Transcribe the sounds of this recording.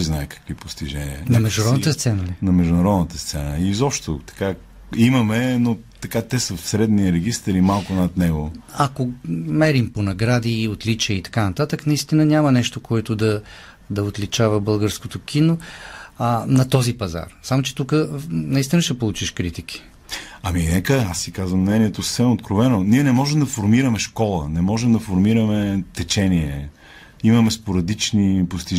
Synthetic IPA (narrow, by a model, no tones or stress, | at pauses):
iznaɛkɐ̥kvipost̪iʒɛniə̰nɐmɛʒd̪ʊɾɔd̪nət̪əst̪sɛnəlinɐmɛʒd̪ʊnɐɾɔd̪nət̪əst̪sɛnəizɔpʃt̪o̰t̪ɐ̥ka | imɐmɛno | t̪ɐkat̪ɛsəfsɾɛd̪niəɾɛɡ̟ist̪ɾimalˠkʊnɐt̪nɛɡoɐkomɛɾimponɐɡɾad̪iot̪lit͡ʃiəit̪ɐ̥kanɐt̪at̪əknɐist̪inənʲamɐnɛʃt̪okoɛt̪ʊd̪ɐ | d̪ɐot̪lit͡ʃavəbɤlˠɡəɾskot̪ok̟ʰʲino | nɐt̪ɔzipɐza̰ɾsamot͡ʃɛ̥t̪ukənɐist̪ʲinɐʃɛpolˠut͡ʃiʃkɾit̪ik̟ʰi̥ | ɐminɛkəasːikazvəmnɛniɛt̪osə̥sɛmot̪̚kɾovɛnoniɛnɛmɔʒɛmd̪ɐfoɾmiɾɐmɛʃkɔlˠənɛmɔʒɛmd̪ɐfoɾmiɾəmɛt̪ɛt͡ʃɛniɛ̰ | imɐmɛspoɾɐd̪it͡ʃnipost̪i